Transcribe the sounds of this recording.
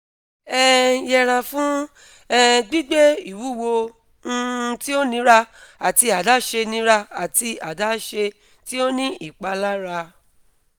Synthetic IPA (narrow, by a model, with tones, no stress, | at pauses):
ɛ˦jɛ˧ɾ̃ã˧fũ˦ | ɛ˦ɡ͡bi˦ɡ͡be˦i˨wu˨˦˨wo˧ | ñ̩˧˦ti˦o˦nĩ˧˦ɾa˧a˨ti˧a˨da˨˦ʃe˧nĩ˧˦ɾa˧a˨ti˧a˨da˨˦ʃe˧ | ti˦o˦nĩ˦i˦˨k͡pa˧la˦ɾa˧